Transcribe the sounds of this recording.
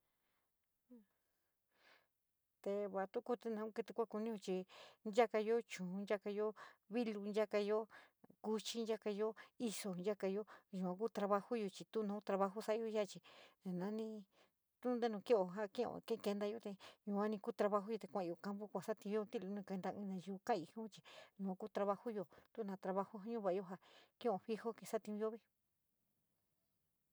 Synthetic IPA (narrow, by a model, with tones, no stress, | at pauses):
t̪e˧βa˨t̪u˦ku˦˧t̪e˧nã˧u˦˧ke˧t̪e˧kʷa˦˧ku˧nĩ˦jo˧t͡ʃi˧nd͡ʒa˦ka˧jo˦t͡ʃũ˨˧nd͡ʒa˦ka˧jo˦βi˦lu˧nd͡ʒa˦ka˧jo˦ | ku˧t͡ʃi˦˧n˦a˦ka˧jo˦i˧so˧nd͡ʒa˦ka˧jo˦ju˨˧kʷã˧kuː˦t̪ɾa˧βa˧hu˦jo˧t͡ʃi˧t̪u˦nã˧˦u˦t̪ɾa˧βa˧ɦu˦sa˦˧jo˧˦a˦˨t͡ʃi˧˨nã˧˦nĩ˧ | t̪u˦nd̪e˦nũ˧ki˦o˨ɦa˦kĩ˦˨õ̰˧˨kẽ˦˧ke˧nd̪a˧jo˧t̪e˧ɲũ˧ã˦nĩ˧kuː˦t̪ɾa˧βa˧ɦu˦o˧t̪e˧kʷã˧˨˧o˧˨ka˦mpu˦kʷa˨sa˦t̪ĩ˧˦o˦˧t̪i˦˧lu˧nĩ˧ke˧nd̪a˧ḭ̃˧nã˧ʒu˧kã˦˨i˧˨hũ˦t͡ʃi̥˧˨nũ˧ku˦t̪ɾa˧βa˧hu˦jo˧˨t̪u˦˧nã˧t̪ɾa˧βa˧hu˦ɦa˧˦ɲũ˦βa˨˧jo˦ɦa˧kĩ˦˨õ˧˨ɸi˦ho˦ke˧˨sa˦t̪ĩ˧o˦βi˦